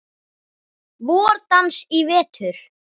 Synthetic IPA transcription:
vɔːɾt̪ansivɛːt̪ʰʏɾ̥

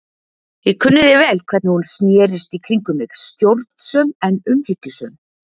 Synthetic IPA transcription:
jɪkʰʏnːʏðɪvɛːlkʰvɛɾt̪nɪhunsnjɛːɾɪst̪ikʰɾiŋkʏmɪst̪jowɾt̪n̥sœmɛnʏmhɪcːʏsœːm

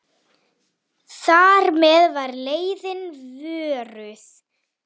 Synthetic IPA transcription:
θaɾmɛðvaɾleːjðɪnvʏːɾʏθ

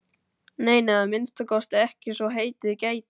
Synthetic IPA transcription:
neːjnaamɪnst̪akʰɔst̪ɛhcɪsvɔɦeːjt̪ɪðceːjt̪

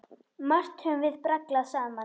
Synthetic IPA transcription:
mar̥t̪hʏmvɪðpɾaklasaːma

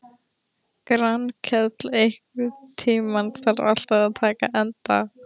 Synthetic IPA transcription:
kɾankʰɛt̪lehkvɪt̪ʰiːmanθaɾa̰l̥t̪aðat̪ʰaːkaʔɛnt̪a̰

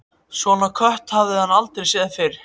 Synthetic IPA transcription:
svɔnakʰœht̪havðɪhanːalt̪ɾesɛːðafɪɾ

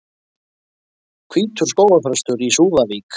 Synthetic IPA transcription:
kʰviːt̪ʰʏ̥skoːwafɾœst̪ʏɾisuːvaviːk

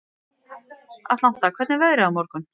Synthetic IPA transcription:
a̰t̪lawht̪akʰvɛt̪nɪvɛɣɾɪamɔɾkʏm

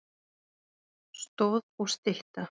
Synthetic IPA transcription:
st̪owðɔɣst̪ɪht̪a

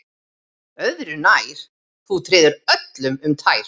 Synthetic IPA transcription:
œðɾʏnajɾ̥ | θut̪ʰɾɪːðʏɾœt̪lʏmʏmt̪ʰaːjɾ̥

